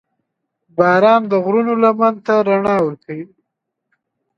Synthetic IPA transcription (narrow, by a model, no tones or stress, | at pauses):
bɑɾɑːnd̪əɣɾunolamant̪aɾaɳɑwəɾkawi